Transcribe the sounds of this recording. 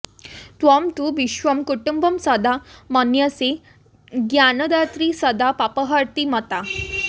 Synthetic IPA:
t̪ʋamt̪uːʋiɕʋəmkuʈumbəmsəd̪amənjəse | ɡjanəd̪at̪ɾiːsəd̪apapəɦəɾt̪imət̪a

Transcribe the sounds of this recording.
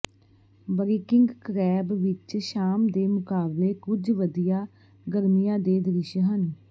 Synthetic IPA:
bɾiːkɪŋɡkəɾɛːbʋɪt͡ʃʃaːmd̪eːmʊkaːbleːkʊd͡ʒʋəd̪ijaː | ɡəɾmijãːd̪eːd̪əɾɪʃəɦən

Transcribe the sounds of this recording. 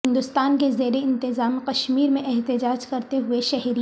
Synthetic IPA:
ɦɪ̃nd̪ʊst̪aːnkezeːɾeɪ̃nt̪ɪzaːmqɐʃmiːɾmẽʔɛɦt̪ɪd͡ʒaːd͡ʒkɐɾt̪eɦʊeʃɛɦɾi

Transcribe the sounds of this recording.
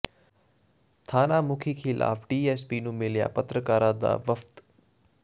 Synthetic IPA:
t̪ʰaːnamʊkʰikʰilʔa̰ːfɖiːeːspiːnũːmɪlja̰ːpət̪ɾəkaːɾãd̪a̰ːbɐft̪

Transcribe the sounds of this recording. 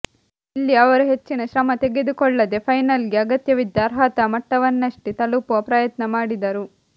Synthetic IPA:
ilːiɐʋɐɾuɦe̞t͡ʃːinɐʃɾɐmɐt̪e̞ɡed̪ukɔɭːɐd̪e̞pʰɐjnɐlɡeɐɡɐt̪jɐʋid̪jaːɾɦaːt̪ɐmɐʈːɐʋɐnːɐʂʈit̪ɐlupuɐpɾɐjɐt̪nɐmaːɽid̪ɐɾu

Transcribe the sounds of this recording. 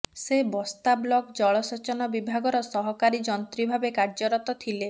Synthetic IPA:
sebɔst̪ablɔkd͡ʒɔɭɔsɔt͡ʃɔnɔbibʱaɡɔɾɔsɔɦɔkaɾid͡ʒɔnt̪ɾibʱabekaɾd͡ʒɔɾɔt̪ɔt̪ʰile

